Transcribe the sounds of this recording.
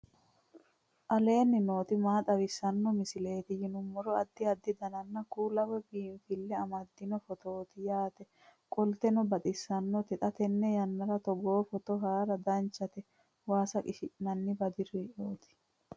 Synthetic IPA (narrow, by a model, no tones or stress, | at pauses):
ʔɐle̞ːnːɪno̞ːt̪ɪmaːt̪ɐwɪsːɐnːɔmɪsɪle̞ːt̪ɪjɪnʊmːɔɾɔɐd̪ːɪɐd̪ːɪd̪ɐnɐnːɐkuːlɐwɛbiːnfɪlːɛɐmɐd̪ːɪnɔfɔt̪oːt̪ɪjaːt̪ɛ | kʼɔlt̪ɛnɔbɐt̪ʼɪsːɐnːɔt̪ɛt̪ʼɐt̪ɛnːɛjɐnːɐɾɐt̪ɔɡoːfɔt̪ɔɦaːɾɐd̪ɐnt͡ʃːɐt̪ɛ | waːsɐkʼɪʃɪnɐnːɪbɐd̪ɪɾiːʔoːt̪ɪ̥